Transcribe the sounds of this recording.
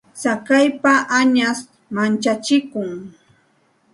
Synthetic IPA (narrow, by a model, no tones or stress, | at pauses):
sakajpaʔaɲas | mant͡ʃat͡ʃɪkʊŋ